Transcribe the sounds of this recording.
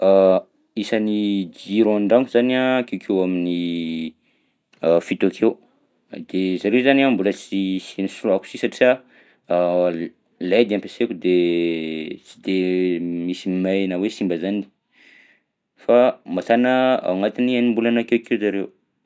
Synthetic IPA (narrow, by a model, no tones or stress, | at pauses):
a | isanid͡ʒiɾõaɳɖ͡ʐaŋkuzanakewkʰewamini | afit̪oakʰew | d̪̥ezaɾewzaniambulət͡sisinisulaku̥sisaʈ͡ʂia | led̪eãmpesekud̪e | t͡si̥d̪emisimanəwesimbəzani̥ | famatanəa̰wŋat̪inianimbulanakewkʰewzaɾew